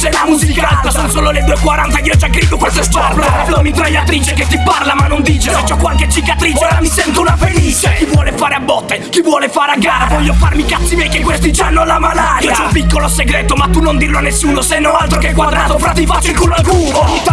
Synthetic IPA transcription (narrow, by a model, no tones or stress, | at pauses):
seamuzikaasonsoːloled̪uekwaɾant̪aiːod͡ʒaɡɾid̪okast̪est̪arbɾlomit̪ɾajat̪ɾiːt͡ʃeket̪ːiparlamanːond̪iːt͡ʃeed͡ʒɔkːwalket͡ʃːikat̪ɾiːt͡ʃeamisɛnt̪ounafenit͡ʃekivwɔːlefaːɾeabːɔt̪ːekivwɔːlefaːɾeaɡːaːɾavɔʎːofarmikat̪simɛjkekwest̪it͡ʃanːolamalaɾjiad͡ʒaumpikːoloseɡɾeːt̪omat̪ːunːond̪irloanːesːuːnosenːoalt̪ɾokekːwad̪ɾaːt̪ofɾat̪ːifat͡ʃːikulːakuɾo